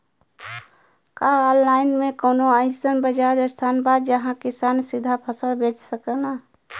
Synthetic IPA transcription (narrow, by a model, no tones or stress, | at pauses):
kaɔːlːaːɪnmẽkoːnoaɪsənbəd͡ʒad̪əst̪ʰaːnbaːd̪jəɦãkɪsaːnsɪd̪ʱapʰəsəlbeːt͡ʃsəkəna